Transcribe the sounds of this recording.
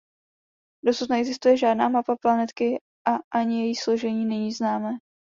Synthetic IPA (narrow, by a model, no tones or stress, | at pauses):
do̞sut̪nɛɛɡzɪst̪ujɛʒaːdnaːmapaplanɛt̪kɪ | ʔaʔaɲɪjɛjixsloʒɛɲiːnɛɲiːznaːmɛː